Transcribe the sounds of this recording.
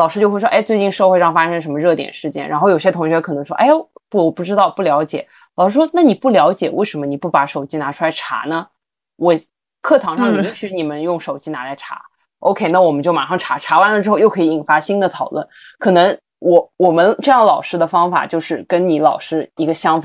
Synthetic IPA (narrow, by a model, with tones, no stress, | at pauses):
lɑ˨˩ʂɻ̩˥t͡ɕjo˥˧xwe˥˩ʂwɔ˥ʔe˥ɪt͡swe˥˧ɪt͡ɕi˥˧nʂɤ˥˧xwʂɑ˥˩ŋfa˥ʂɤ˥ŋʂə˧˥mə˧ɻɤ˥˩t̪jɛ̰˨˩nʂɻ̩˥˩t͡ɕjɛ̰˥˩nɻa˧˥nxo˥˩ʊjo˨˩ɕt̪ʰʊ˧˥ŋɕɥɛ˧˥kʰɤ˨˩nɤ˧˥ŋʂwɔ̰˥ʔe˥˩ɪpu˥˩˨pu˥˩ʈ͡ʂɻ̩˥t̪ɑ˥˧ʊpu˥˩ljɑ˧˥ʊt͡ɕjɛ˨˩˦ | lɑ˨˩ʊʂɻ̩˥ʂwɔ˥na˥˩ni˨˩pu˥˩ljɑ˧˥ʊt͡ɕjɛ˨˩wḛ˥˩ɪʂə˧˥mə˧ni˨˩pu˥˩pa˧˥ʂo˨˩ʊt͡ɕi˧˥na˧˥ʈ͡ʂʰu˥la˧˥ɪʈ͡ʂʰa̰˧˥nə˧ | wɔ˨˩ | kʰɤ˥˩t̪ʰɑ˧˥ŋʂɑ˥˩ŋi˧˥ŋɕy˧˥ni˨˩mə˦njʊ˥˩ŋʂo˨˩ʊt͡ɕi˧˥na˧˥la˧˥ɪʈ͡ʂʰa̰˧˥ | ʔo˥ʊkʰe˥ɪna˥˩wɔ˨˩mə˦nt͡ɕjo˥˩ʊma̰˧˩ʂɑ˥˩ŋʈ͡ʂʰa˧˥ʈ͡ʂʰa˧˥wa˥nlə˩ʈ͡ʂɻ̩˥xʊjo˥˩kʰɤ˧˥i˧˥i˨˩nfa˧˥ɕi˥nd̪ə˨t̪ʰɑ˨˩ʊlwə̰˥˩n | kʰɤ˨˩nɤ˧˥ŋ | wʔɔ˧˩wɔ˨˩mə˦nʈ͡ʂɤ˥˧jɑ˥˩ŋlɑ˨˩ʊʂɻ̩˥d̪ə˨fɑ˥ŋfa̰˨˩t͡ɕjo˥˧ʊʂɻ̩˥˩kə˥nni˧˥lɑ˨˩ʊʂɻ̩˥i˧˥ɡə˧ɕjɑ˥ŋf